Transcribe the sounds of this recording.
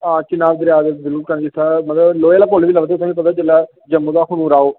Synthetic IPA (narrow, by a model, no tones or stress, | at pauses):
ãːt͡ʃɪnaːʋd̪əɾjaːd̪ezəɾuːɾkəɾnd͡ʒɪst̪ʰːaːmət̪ləbloːeːlaːpoːlʋiːləʋt̪et̪ãkipət̪aːt͡ʃəlːaː | d͡ʒəmːuːd̪aːkʊñũːɾaːoː